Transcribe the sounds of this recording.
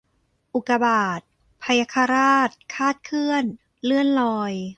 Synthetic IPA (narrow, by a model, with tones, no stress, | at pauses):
ʔu˨˩ka˧baː˨˩t̪̚ | pʰa˧ja˧kʰa˧ɾaː˥˩t̪̚kʰaː˥˩t̪̚kʰɯ˥˩ən | lɯ˥˩ənlɔː˧j